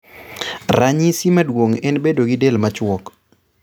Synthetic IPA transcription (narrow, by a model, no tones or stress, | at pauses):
raɲisimadwoŋɛnbedoɡidelmat͡ʃwɔk